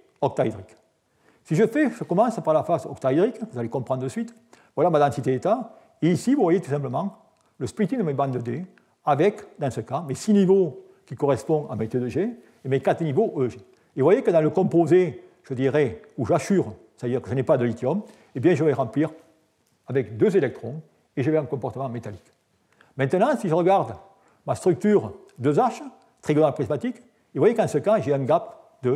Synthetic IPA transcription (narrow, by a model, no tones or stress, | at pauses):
ɔk̚t̪aid̪ʁik | siʒəfɛʒəkɔmɑ̃spaʁlafasɔ̰kt̪aid̪ʁikvuzalekɔ̃mpχɑ̃ʁdəsɥit̪ | vwalamad̪ɑ̃sit̪eet̪a | eisivuvwajet̪u̥s̬ɛ̃mpləmɑ̃ | ləspit̪id̪əmebɑ̃nd̪əd̪e | avɛkd̪ɑ̃səkamesinivo | kʲikɔʁɛspɔ̃a̰met̪ed̪əʒe | emekat̪ənivoʔøʒe | evwajekəd̪ɑ̃ləkɔ̃mpoze | ʒ̥əd̪iʁɛuʒasyʁst̪ad̪iʁkəʒənɛpad̪əlit̪jɔm | ebjɛ̃ʒəvɛʁɑ̃pliʁ | avɛkd̪øzelɛk̚t̪χɔ̃ | eʒəvɛɛ̃ŋkɔ̃mpɔʁt̪əmɑ̃met̪alik | mɛ̃nt̪ənɑ̃siʒəʁəɡaʁd̪ | mast̪χyk̚t̪yʁ | d̪øzaʃə | t̪χiɡɔlãpχizmat̪ik | evwajek̪ɑ̃səkaʒeɛ̃ŋɡap | d̪ə